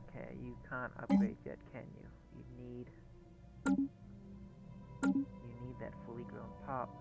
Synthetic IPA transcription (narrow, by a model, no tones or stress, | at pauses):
kʰḛɪjɨkʰæ̃ntʌ̰p̚ɡ̥ɹeɪd̚ðɨ̰t̚kʰɛ̰̃njɨ̰ | jɨ̰nid̥ | jɨnid̪̚ðɨ̰tfʊlˠiɡɹõʊ̃npʰɑp̚